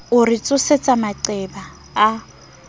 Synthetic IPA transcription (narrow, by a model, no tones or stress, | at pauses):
ʊrɪt͡sʼʊset͡sʼamaǀɛbaː